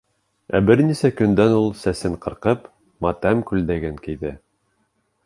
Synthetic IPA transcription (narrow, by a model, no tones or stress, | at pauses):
æ̰bɘɾnisækɵ̆nd̪ænulˠsæsɘɴqɤ̆ɾqɤp | mɑt̪æmkʉld̪æɡɘŋkijðɘ